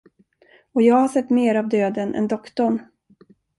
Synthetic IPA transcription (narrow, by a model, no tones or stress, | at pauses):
ɔjɑːɡhaʂɛt̪ːmeːɾavd̪øːd̪ənʔɛ̰nd̪ɔkt̪ɔɳ